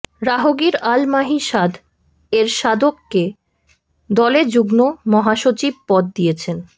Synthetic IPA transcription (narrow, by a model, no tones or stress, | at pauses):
ɾaɦoɡiɾalmaɦiʃad̪ʱ | eɾʃad̪okːe | d̪ɔled͡ʑuɡnomɔɦaʃot͡ɕib̚pɔd̪̚ːijet͡ɕʰen